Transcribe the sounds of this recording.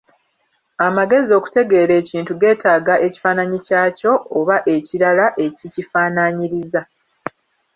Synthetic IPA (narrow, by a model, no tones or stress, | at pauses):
amaɡe̞zio̞ːku̥te̞ɡe̞ːɾe̞ːciːntuɡe̞ːtaːɡaʔe̞ci̥faːnaɲicaːco̞ːβaʔe̞ciɾalaʔe̞cicifaːnaɲiɾiza